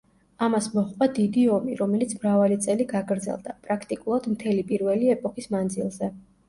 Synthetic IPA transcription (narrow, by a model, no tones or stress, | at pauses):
amasmɔχqʼwad̪id̪iɔmiɾɔmɛlit̪sʰmɾavalit̪sʼɛliɡaɡɾd̪zɛ̰lˠd̪apʼɾakʰt̪ʼikʼulˠad̪mt̪ʰɛlipʼiɾvɛliɛpʼɔkʼismand̪zilˠzɛ